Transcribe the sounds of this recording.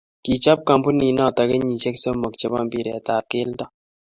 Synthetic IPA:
ki˨t͡ʃa˦p̚ka˨mpu˦ni˨˦na˦˨ta˨kɛ˦ɲi˨t͡ʃɛ˦ksɔ˦mɔ˨k̚t͡ʃɛ˦ba˦˨mbi˦˨ɾɛ˨ta˨ke˦ltɔ˦

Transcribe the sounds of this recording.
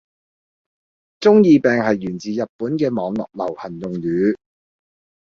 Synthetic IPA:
t͡sʊ˥ŋjiː˧pɛː˨ŋhɐ˨jːyː˨˩nt͡siː˨jɐ˨t̚puː˨˥nkɛː˧mɔː˨˧ŋlɔ̰ː˨k̚lɐ̰˨˩whɐ˨˩njʊ˨ŋjyː˨˥

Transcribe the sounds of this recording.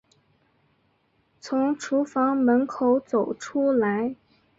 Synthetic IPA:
t͡sʰʊ˧˥ŋʈ͡ʂʰu˧˥fɑ˧˥ŋmə˧˥nkʰo˧˥ʊt͡so˨˩ʊʈ͡ʂʰu˥la˧˥ɪ

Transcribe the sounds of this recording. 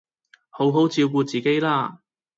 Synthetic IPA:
ho˨˧˥wɦo˨˥wt͡siː˧wk̬uː˧t͡siː˨˩ke˥jlaː˥˧

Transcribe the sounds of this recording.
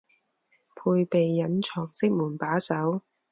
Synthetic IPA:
pʰuː˧jpe˨jːɐ˨˥nt͡ʃʰɔː˨˩ŋsɪ˥k̚muː˨˩npaː˨˥sɐ˨˥w

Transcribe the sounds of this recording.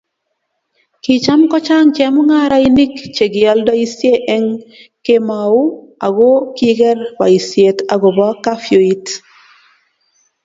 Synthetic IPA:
ki˨t͡ʃa˦mkɔ˦t͡ʃa˦ŋt͡ʃɛ˨mu˦ŋa˦ɾa˦i˦ni˦kt͡ʃe˨ɡɪ˨a˦lda˦i˦sje˦ʔɛ˦ŋke˦ma˨u˦a˨ɡo˦ki˦ɡɛ˦ɾba̰˨i˨sje˨ta˨ɡɔ˨ba˦ka˦fjo˨i˦t

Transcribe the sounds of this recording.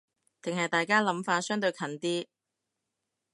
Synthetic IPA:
t̪ɪ˨ŋɦɐ˨jt̪aː˨˩jkaː˥lɐ˨˥mfaː˧tsœː˥ŋt̪ɵ˧jkʰɐ˨˩nt̪iː˥

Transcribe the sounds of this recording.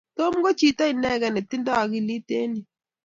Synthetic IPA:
to˦m˦ɡo˦t͡ʃi˦ta˦i˨nɛ˦ɡɛ˨nɛ˨ti˦ndɔ˦a˨ki˦li˦te˦ni˨

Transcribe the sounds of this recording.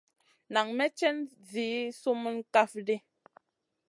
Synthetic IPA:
na˨ŋmɛ˦t͡ʃɛ˦n | zi˨˦su˦mə˦n˦ka˦fdi˦

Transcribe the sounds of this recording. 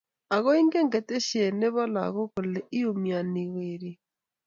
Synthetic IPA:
a˨ɣɔ˦i˦ŋɡe˦ŋɡe˨te˦ʃe˨ne˦βɔ˦la̰˨ɣo˦ko˨le˨ʔi˦o˨mja˨ni˨weɾi˨

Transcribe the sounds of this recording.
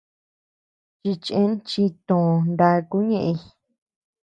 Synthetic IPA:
t͡ʃi˧t͡ʃẽ˦nt͡ʃi˧t̪õ˨˧˨nd̪a˧ku˦ɲẽ˧ʔẽ˧

